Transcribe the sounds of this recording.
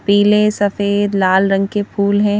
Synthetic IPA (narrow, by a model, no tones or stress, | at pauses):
piːlesɐfeːd̪laːlɾə̃ŋɡ̚kepʰuːlɦɛ̃